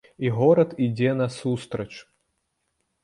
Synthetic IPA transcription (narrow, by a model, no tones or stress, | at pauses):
iɣɔɾɐt̪id͡zʲɛnɐsust̪ɾɐt͡ʃ